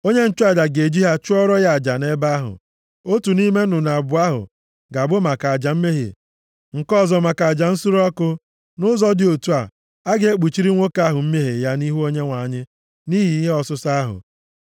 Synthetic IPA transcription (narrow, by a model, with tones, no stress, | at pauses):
o˦ɲe˦n̩˦t͡ʃʊ˦a˨d͡ʒa˨ɡe˨d͡ʒi˦ɦa˦t͡ʃʊ˦ɔ˦ɾɔ˦ja˨d͡ʒa˨ne˦ba˦a˦ɦʊ̰˨ | o˦tu˨ni˦me˦nʊ˨na˨bʊ˨a˦ɦʊ̰˨ | ɡa˨bʊ˦ma˨ka˨a˨d͡ʒa˨m̩˦me˦ɦḛ˨ | ŋ̩˨kɔ˦˨zɔ˨ma˨ka˨d͡ʒa˨n̩˦su˦ɾɔ˦kʊ˦ | nʊ˦zɔ˦dɪ˨o˨tu˦a˨ | a˦ɡe˦e˦k͡pu˨t͡ʃi˦ɾi˦ŋʷo˦ka˦ɦʊ˨m̩˦me˦ɦe˨ja˦ni˦ɦu˦o˦ɲe˦ŋʷa˨ɲɪ˦ | ni˦ɦi˨i˦ɦe˦ɔ˨sʊ˦sa˦ɦʊ̰˨